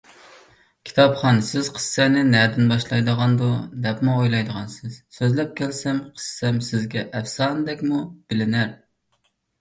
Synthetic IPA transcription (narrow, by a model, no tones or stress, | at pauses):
kʲʰi̥t̪ʰɑpχɑnsɪz̥qʰə̥sːɛnɪnæd̪ɪnbɑʃlˠɑjd̪əʁɑnd̪ud̪ɛpmuojlˠɑjd̪əʁɑnsɪz̥søzlɛp̚kʲʰɛlsɛmqʰə̥sːɛmsɪzɡʲɛʔɛfsɑnd̪ɛkʲmub̥ɪlɪnæɾ